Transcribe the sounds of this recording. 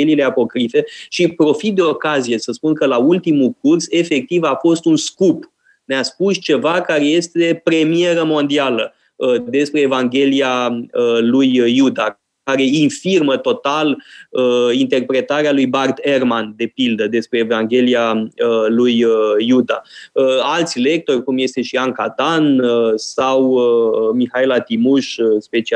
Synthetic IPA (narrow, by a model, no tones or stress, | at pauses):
elile̞apo̞kɾife̞ʃipɾo̞fit̪̚d̪e̞o̞kazije̞səspunkəlault̪imulkurse̞fe̞k̚t̪ivafo̞st̪unskup | neaspust͡ʃe̞vakaɾe̞je̞st̪e̞pɾe̞mie̞ɾəmo̞nd̪ialə | əd̪e̞spɾe̞ːvaŋɡʲe̞liaəlujːud̪a | kaɾe̞infirmət̪o̞t̪aləint̪e̞rpɾe̞t̪aɾealujbart̪e̞rmand̪e̞pild̪əd̪e̞spɾe̞ːvaŋɡʲe̞liaəlujəːud̪aəalt̪sʲle̞k̚t̪o̞rʲkumje̞st̪e̞ʃiaŋkad̪anəsawəmixailat̪imuʃspe̞t͡ʃi